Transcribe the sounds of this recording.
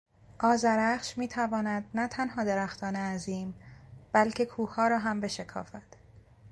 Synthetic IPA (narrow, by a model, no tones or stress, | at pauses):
ʔɒːzæɾæχʃmiːt̪ʰævɒːnæd̪̚næt̪ʰænɦɒːd̪eɾæxt̪ʰɒːneæziːmb̥ælcʰe̞kʰuːhɒːɾɒːɦæmbe̞ʃe̞kʰɒ̰ːfæd̪̥